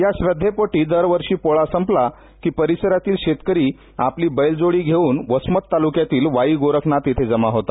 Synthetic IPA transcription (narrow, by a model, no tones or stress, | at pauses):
jaɕʋəd̪ʱːepoʈiːd̪əɾʋəɾʂiːpoɭasəmpla | kiːpəɾisəɾat̪iːlɕet̪kəɾiː | apliːbəjld͡zoɽiːɡʱeuːnʋəsmət̪ːalukjat̪iːlʋaiːɡoɾəknat̪et̪ʰed͡zəmaɦot̪a